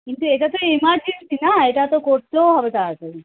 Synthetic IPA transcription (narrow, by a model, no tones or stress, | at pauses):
kint̪ueʈat̪oimaɾd͡ʒint̪ʰinaeʈat̪okoɾt̪oɦɔbek̪aːsʰe